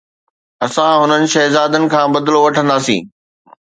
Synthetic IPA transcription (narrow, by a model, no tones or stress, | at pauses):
ɐsãɦʊnənɪ̆ʃɐɦzaːd̪ənɪ̆kʰãːbɐd̪loʋɐʈʰə̃nd̪aːsḭ̃ː